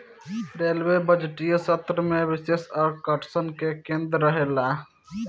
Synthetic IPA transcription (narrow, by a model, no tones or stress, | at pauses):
ɾelʋebəd͡ʒʈijəsət̪ɾəmebisesəɾkəʈsənkekend̪ɾːəɦela